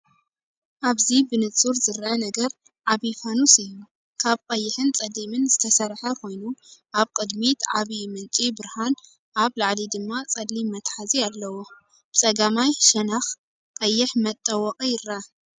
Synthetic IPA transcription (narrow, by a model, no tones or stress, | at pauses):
ʔaβzibɨnɨt͡sʼuɾzɨɾʔɐnɐɡɐɾ | ʕaβifanusijːu | kʰaβkʼɐjːɪħɨnt͡sʼɐd̪imɨnzɨt̪ʰɐsɐɾħɐkʰo̞jnuʔaβkʼɨd̪mit̪ʰʕaβimɨnt͡sʼibɨɾhan | ʔaβlaʕlid̪ɨmːat͡sʼɐd̪limːɐt̪ħazialːɐwo | b̥ɨt͡sʼɐɡamajʃɐnax | kʼɐjːɪħmɐt̪ʼːɐwɐqʼijɪɾɐɐ